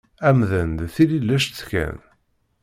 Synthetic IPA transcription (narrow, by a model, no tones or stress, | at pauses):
æmðənd̪θililːæʃt͡skæ̰n